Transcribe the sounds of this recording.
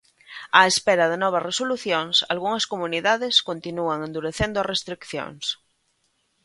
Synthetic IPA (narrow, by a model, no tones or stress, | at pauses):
aespeɾaðenɔβ̞ɐsresoluθjoŋsalɣuŋɐskomuniðaðeskont̪inuaŋẽnd̪uɾeθend̪ʊarest̪ɾikθjo̰ŋs